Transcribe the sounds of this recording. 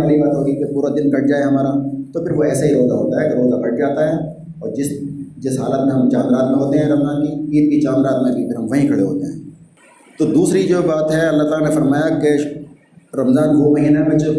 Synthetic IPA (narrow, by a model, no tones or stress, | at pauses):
kɐlibaːt̪ɦoːɡikepuːɾad̪ɪnkɐʈ̚d͡ʒaːeɦɐmaːɾat̪opʰɪɾʋoɛːsaɦiɾoːzaɦoːt̪aɦɛkeɾoːzabɐʈ̚d͡ʒaːt̪aɦɛː | ɔːɾd͡ʒɪsd͡ʒɪsɦaːlət̪mẽɦɐmt͡ʃãːnɾaːt̪mẽɦoːt̪eɦɛ̃ɾɐmzaːnkiiːd̪̚kit͡ʃãːnɾaːt̪mẽbipɪɾɦɐmʋɐɦĩkʰɐɽeɦoːt̪eɦɛ̰̃ː | t̪od̪uːsɾid͡ʒoːbaːt̪ɦɛɐlːaɦt̪aːlanefɐɾmaːjake | ɾɐmzaːnʋomɐɦiːnebẽt͡ʃ